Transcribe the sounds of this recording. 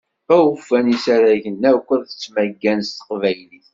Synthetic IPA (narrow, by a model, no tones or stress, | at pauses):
æwfːænisaɾæʝənːækʷːəðθə̥t͡sːmæɡːænst̪ə̥qvæjliθ